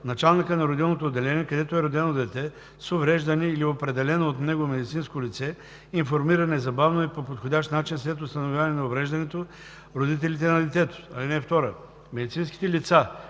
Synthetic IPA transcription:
nɐt͡ʃalˠnikənɐɾod̪ilˠnot̪oːd̪ːɛlɛnʲiɛkɐd̪ɛt̪oɛɾod̪ɛnod̪ɛt̪ɛ | sovɾɛʒd̪ɐniːliopɾɛd̪ɛlɛnoːt̪nɛɡomɛd̪it̪sinskolit̪sɛ | iɱfoɾmiɾənɛzɐbavnoɛpopot̪xodʲaʃt̪nat͡ʃinslɛt̪ost̪ɐnovʲjavɐnɛnɐovɾɛʒd̪ɐnɛt̪o | ɾod̪it̪̬ɛlit̪ɛnɐd̪ɛt̪ɛt̪o̥ɐlinɛft̪ɔɾə | mɛd̪it̪sinsk̟i̥t̪ɛlit̪sa

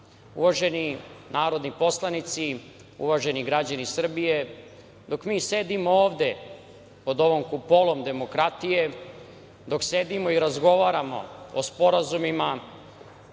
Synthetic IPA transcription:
uʋaʒe̞ninaːɾo̞d̪nipo̞slˠanit̪si | ṵʋaʒe̞niɡɾad͡ʑanisr̩bije̞ | d̪o̞kmiːse̞d̪imooːʋd̪e̞ | po̞d̪o̞ʋomkupolˠo̞md̪e̞mo̞kɾat̪ije̞ | d̪o̞kse̞d̪imo̞iɾazɡo̞ʋaːɾamo̞̰ospo̞ɾazumima

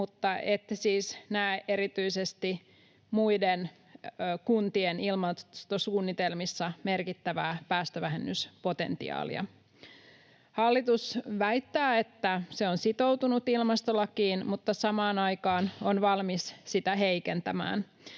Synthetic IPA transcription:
mut̪ːɑet̪ːsiːsnæːʔe̞ɾit̪yisest̪i | muidenː | kunt̪ienilmɑst̪osuːnːit̪elmisːɑme̞rkit̪ːæʋæːpæːst̪øʋæɦenːyspo̞t̪e̞̰nt̪ḭɑ̰ːlḭɑ̰ | hɑlːit̪usʋæit̪ːæːet̪ːæseonsit̪o̞wt̪unut̪ilmɑst̪olːɑkiːnmut̪ːɑsɑmɑːnɑjkɑːnonʋɑlmissit̪æɦeikent̪æmæ̰ːn

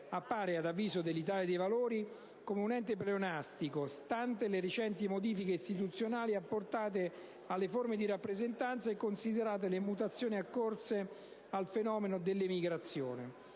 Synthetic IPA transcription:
apːaːɾead̪avːiːzod̪elːit̪̬aːljad̪ejvaloːɾi | komeunɛnt̪epleonast̪ikost̪ant̪eleɾet͡ʃɛnt̪imod̪iːfikeist̪it̪̬ut̪sːjonaːliapːort̪aːt̪̬e | alːeformed̪iɾapːɾezent̪ant̪saekːonsid̪eɾaːt̪̬elemut̪at̪sːjoːniakːorse | alfenɔːmenod̪elːemiɡɾat̪sːjoːnḛ

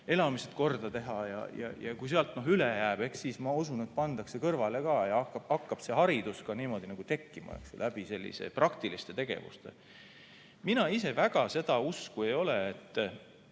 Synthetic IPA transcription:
e̞lɑmiset̪̚ko̞rd̪ɑt̪e̞ɦɑjɑ̰jɑ̰jɑkujs̬eɑlt̪ːˑno̞ɦylejæːb̥e̞ksːiːsmɑusune̞t̪̚pɑnd̪ɑkse̞kɤrvɑle̞kɑːjɑɑkːˑɑbɑkːɑb̥se̞ɦɑɾid̪̥uskɑniːmo̞d̪inɑɡ̥ut̪e̞kːimɑ̰ḛksulæb̥ise̞lʲːḭsḛprɑkt̪ilist̪e̞t̪e̞ɡ̥e̞̰vṵst̪e̞̰ | minɑise̞væɡ̥ɑse̞d̪̥ɑuskue̞jo̞leːt̪ː

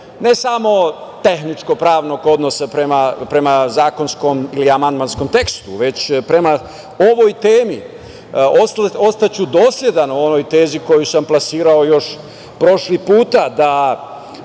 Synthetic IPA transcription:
ne̞samo̞t̪e̞xnit͡ʃko̞pɾaːʋno̞ɡo̞d̪no̞sapɾe̞mapɾe̞mazaːko̞nsko̞miliamand̪mansko̞mt̪e̞kst̪uʋe̞t͡ɕpɾe̞ma | o̞ʋo̞jt̪e̞ːmi | oso̞st̪at͡ɕud̪o̞ːslje̞d̪anuo̞no̞jt̪e̞ːziko̞jusamplasiːɾao̞jo̞ʃ | pɾo̞ʃlipuːt̪ad̪a

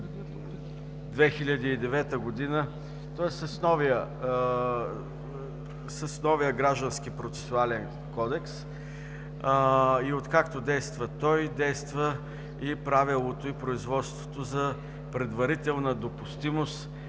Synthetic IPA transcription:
d̪vɛxilʲəd̪iːd̪ɛvɛt̪əɡod̪inə | t̪ɔɛsəsnɔvijə | səsnɔvijəɡɾaʒd̪ənsk̟ipɾot̪sɛ̥sʊalɛn | kɔd̪ɛks | iot̪kakt̪od̪ɛjst̪vət̪ɔjd̪ɛjst̪və | ipɾavilˠot̪oipɾoizvɔt̪st̪vo̥t̪ozɐ | pɾɛd̪vɐɾit̪ɛlˠnəd̪opʊst̪imost̪

